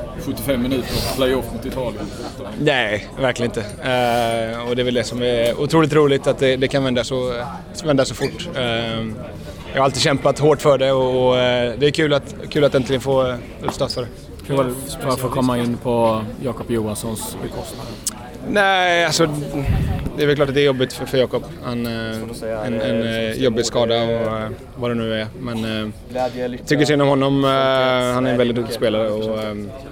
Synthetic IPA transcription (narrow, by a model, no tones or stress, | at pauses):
ɧɵt̪ːɪfɛmːɪnʉ̟ːt̪əɾpʰlajɔfːmʊt̪ɪt̪ʰɑːlɪənfʊt̪anɛɪvæɾkʰlɪənɪt̪ə | ɔd̪ɛːvɛld̪ɛsɔmɛʊ̰t̪ʰɾuːlɪt̪ɾuːlɪɡt̪at̪̚d̪ɛd̪ɛkʰanvɛnd̪asɔ | vɛnd̪asɔfʊʈː | jɑ̰ɡhaɾalt̪iːɕɛmpat̪ɦoːʈːfœɖɛɔːd̪ɛːkʰʉ̟ːlat̪kʰʉ̟ːlat̪ːɛnt̪lɪɡənfoː | ʉːd̪st̪ɑt̪fœɖɛ | fɾafoːkʰɔmːaɪnːpʰɔjɑːkɔpjuːansɔnskʰɔ | næɪalsɔ | d̪ɛɾvɛlklɑːʈ̬at̪d̪ɛɾjɔbːɪt̪ffœɾjɑːkɔpː | han | ɛnɛnjɔbːɪɡskɑːd̪aɔ | vad̪ɛmnʉ̟ːæɾmɛn | t̪ʰʏk̬ːəʂsɛɪnɔmhɔnːɔm | hanæɾɛnvɛlɪt̪d̪ɵkt̪ɪɡspeːlaɾəɔ